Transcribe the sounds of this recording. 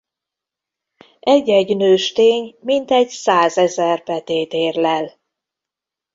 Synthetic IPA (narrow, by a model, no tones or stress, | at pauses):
ɛɟːɛɟnøːʃt̪eːɲmint̪ɛɟsaːzɛzɛrpɛt̪eːt̪eːrlɛl